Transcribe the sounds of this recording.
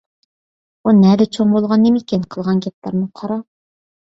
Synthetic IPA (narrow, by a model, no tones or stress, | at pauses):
unɛd̪ɛt͡ʃʰoŋbolˠʁɑnːɪmɪkʲinqʰəlˠʁɑnɡʲɛt̪̚lˠɑ̰ɾnɨqʰɑɾɑ